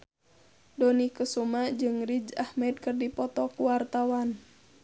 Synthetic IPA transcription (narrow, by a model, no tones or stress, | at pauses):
dɔnikəsumad͡ʒɨŋrid͡ʒahmɛd̪̚kɨrdipɔt̪ɔkuwart̪awan